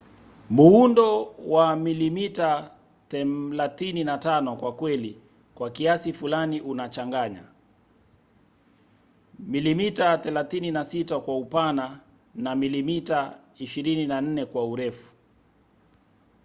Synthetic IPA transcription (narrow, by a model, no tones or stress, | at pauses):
muundɔwamilimita | θɛlaθininatanɔkwakwɛli | kwakiasifulaniʔunat͡ʃaŋɡaɲa̰ | milimitaθɛlaθininasitakwaupana | namilimita | iʃiɾininan̩nɛkwauɾɛfu̥